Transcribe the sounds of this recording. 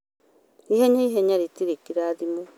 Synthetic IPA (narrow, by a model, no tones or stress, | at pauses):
ihɛɲaiɦɛɲaɾitiɾekiɾaðimo